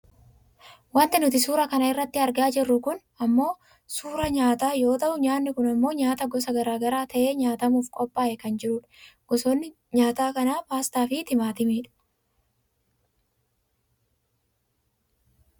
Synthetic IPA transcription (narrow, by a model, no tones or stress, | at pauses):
wɐnt̪ɪnʊt̪ɪsuːɾɐkɐnɐɪrːɐt̪ːɪɐɾɡaːd͡ʒɪrːʊkʊn | ɐmːo̞ː | suːɾɐɲaːt̪aːjo̞ːt̪ɐʔʊɲaːnːɪkʊnɐmːo̞ːɲaːt̪ɐɡɔs̬ɐɡɐɾaːɡɐɾaːt̪ʰɐʔe̞ːɲaːt̪ɐmuːfkʼɔpʼːaːʔɛkɐnd͡ʒɪɾʊᶑɐ̥ɡ̥ɔsoːnːɪ | ɲaːt̪aːkɐnaːpaːst̪aːfɪt̪ɪmaːt̪ɪmiːᶑɐ̥